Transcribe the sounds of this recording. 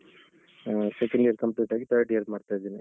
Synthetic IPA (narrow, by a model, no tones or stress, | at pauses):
sekɐɳɖiɐɾkɐmpliʈaːɡit̪ʰəɖijɐɾsmaːɖt̪ajd̪iːni